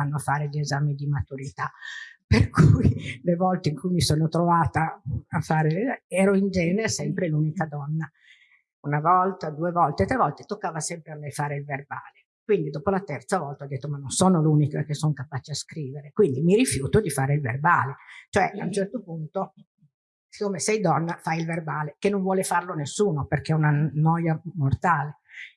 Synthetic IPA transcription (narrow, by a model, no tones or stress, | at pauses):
anːoafaːɾeʎezaːmid̪imat̪uɾit̪aperkʰujlevɔlt̪eiŋkujmisoːnot̪ɾovaːt̪aafaːɾeɛːɾoind͡ʒɛːneɾesɛmpɾelunikad̪ɔnːa | unavɔlt̪ad̪uːevɔlt̪et̪ːɾevɔlt̪e̥t̪okːaːvasɛmpɾeamːejfaːɾeilverba̰ːle | kwind̪id̪oːpolat̪ɛrt̪savɔlt̪aɔd̪et̪ːomanːonsoːnolunikak̟esːoŋkapaːt͡ʃeaskɾiːveɾekwind̪imiɾifjuːt̪od̪ifaːɾeilvḛrbaːlet͡ʃoɛʔaunt͡ʃɛrt̪opunt̪o | si̥kːoːmesɛjd̪ɔnːafajilverbaːlekenːoɱvwɔːlefarlonesːuːnoperk̟eɛunanɔjamort̪aːle